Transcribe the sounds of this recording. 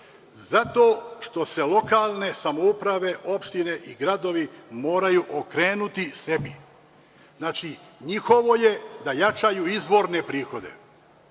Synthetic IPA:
zat̪o̞ːʃt̪o̞se̞lo̞kaːlˠne̞samoupɾaʋe̞ʔo̞pʃt̪ine̞ʔiɡɾad̪o̞ʋimo̞ːɾajuʔokɾe̞ːnut̪ise̞bi | znaːt͡ʃiɲixo̞ʋo̞je̞d̪ajat͡ʃajuizʋo̞ɾne̞pɾiːxo̞d̪e̞̰

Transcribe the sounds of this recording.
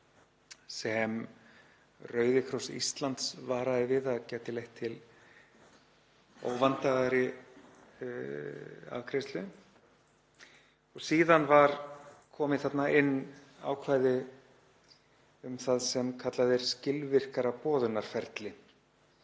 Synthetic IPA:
sɛm | rœːɥðɪkʰɾɔwsḭst̪lant̪svaːɾaðɪvɪðaðcɛːt̪ɪlejht̪ʰːɪl | o̰wvant̪aɣaɾɪ | a̰vkʰɾest̪lʏ | ɔɣsiːðanvaɾkʰɔːmɪθat̪naʔɪnːa̰ːwkʰvaːjðɪ | ʏmθaðsɛmkʰat̪laðɪɾ̥scɪlvɪr̥kaɾapɔːðʏnaɾ̥fɛɾt̪lɪ

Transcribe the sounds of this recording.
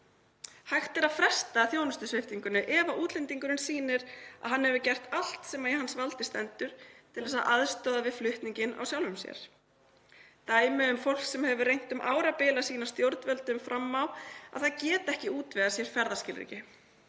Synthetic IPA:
hajxt̪ɛɾaðfɾɛst̪aθjoːwnʏst̪ʏsvɪft̪iŋkʏnʏʔɛːvaʔuːt̪lɛnt̪iŋkʏɾɪnsiːnɪɾa̰ðɦanːhɛvʏcɛr̥t̪al̥t̪sɛːmaɾiɦansvalt̪ɪst̪ɛnt̪ʏɾ̥t̪ʰɪlðɛsaðʔaðst̪œːðavɪðflʏht̪niɲcɪna̰wsjawlvʏmsjɛ̰ɾ̥ | t̪aːjmɪʏmfowl̥ksɛmhɛvʏrejŋ̥t̪ʏmʔa̰ːwɾapɪːlasiːnast̪jowɾt̪nvɛlt̪ʏmfɾʔamːawa̰ðθaðcɛːt̪ɛhcɪuːt̪vɛːðasjɛɾ̥fɛɾðascɪlrḭːcɪ

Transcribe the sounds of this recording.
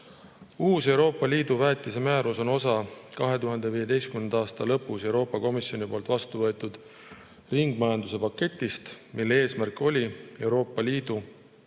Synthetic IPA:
uːse̞uwɾo̞ːpːˑɑliːd̪̥uvæːt̪ːˑise̞mæːɾuso̞no̞sɑkɑɦe̞t̪uɦɑnd̪̥eviːje̞d̪e̞jst̪kymnend̪ɑɑːst̪ɑlɤ̞pːˑuse̞wɾo̞ːpːˑɑko̞misjo̞nipo̞ːlt̪vɑst̪uvɤ̞e̞t̪ːˑud̪̥ | riŋɡ̥̚mɑjɑnd̪̥use̞pɑkːe̞t̪ʲːˑist̪mʔilːee̞ːsmærkːo̞lʲie̞wɾo̞ːpːˑɑliːd̪̥u

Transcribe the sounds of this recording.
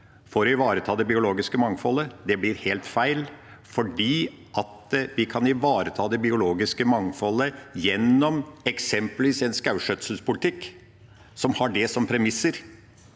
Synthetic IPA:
fɔɾɔɪʋɑːɾət̪ʰɑːd̪ɛbɪʊloːɡɪskəmɑŋfɔləd̪ɛblɪɾheːlt̪fæɪl | fɔɖiː | ʔɑt̪ʋɪkʰɑnɪʋɑːɾət̪ʰɑːd̪ɛbɪʊloːɡɪskəmɑŋfɔləjɛnːɔmɛksɛmpəlʋiːsɛnskɑʉʂœt̪sl̩spʊlɪt̪ʰɪkː | sɔmhɑɖɛsɔmpʰɾɛmɪsːəɾ

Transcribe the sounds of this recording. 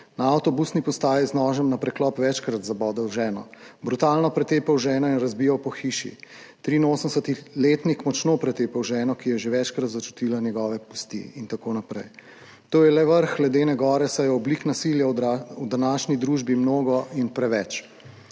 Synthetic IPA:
naawt̪ɔbusnipɔst̪aːjɛznɔːʒɛmnapɾɛklɔpʋɛt͡ʃkɾat̪zabɔːd̪ɛwʒɛːnɔ̰bɾut̪aːlnɔpɾɛt̪eːpɛwʒɛːnɔinɾazbijawpɔxiːʃḭ | t̪ɾiːnoːsəmsət̪ileːt̪nikmɔt͡ʃnopɾɛt̪eːpɛwʒɛːnɔkijɛʒeʋɛt͡ʃkɾat̪zat͡ʃu̥t̪ilanjɛɡɔːʋɛpu̥st̪ḭint̪akoːnapɾɛ̰j | t̪oːjɛlɛʋəɾxɡlɛd̪enɛɡɔːɾɛsɛjɔɔbliknasiljawd̪anaːʃnid̪ɾuːʒbimnoːɡɔʔinpɾɛʋɛt͡ʃ

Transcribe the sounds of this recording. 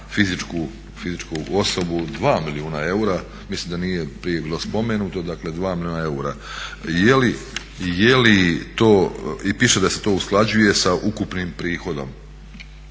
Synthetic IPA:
fizit͡ʃku | fizit͡ʃkuo̞so̞bud̪ʋaːmiliuːnae̞uɾa | mislimd̪aniːje̞pɾije̞biːlo̞spo̞menuːt̪od̪akle̞d̪ʋaːmilʲiuːnae̞uɾa̰ | jeli | jelit̪oːipiːʃed̪ase̞t̪o̞ːusklˠad͡ʑuje̞saʔukupnimpɾiːxo̞d̪o̞̰m

